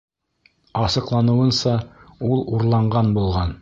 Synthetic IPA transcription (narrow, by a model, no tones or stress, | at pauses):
ɑsɤ̆qlˠɑnɤ̆wɤ̆nsɑulˠuɾlˠɑɴɢɑnbulˠʁɑn